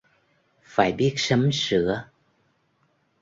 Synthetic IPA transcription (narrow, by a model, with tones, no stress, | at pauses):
faː˧˩jɓi˦˥ət̚sə˨˦msɨ̰˧˩˥ə